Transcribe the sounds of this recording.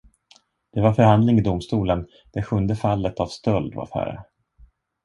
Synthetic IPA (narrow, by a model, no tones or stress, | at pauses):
d̪̥ɛvaɾfœɾhand̪lɪŋɪd̪ʊmst̪uːlən | d̪̥ɛɧɵnd̪əfalːət̪avst̪œld̪va̰ɾfæ̰ːɾə̰